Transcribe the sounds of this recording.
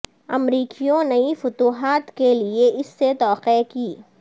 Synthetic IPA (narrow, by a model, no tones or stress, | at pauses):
ɐ̰mɾiːkijõnɐifʊt̪uːɦaːt̪kelieʔɪsːet̪ɔːqekiː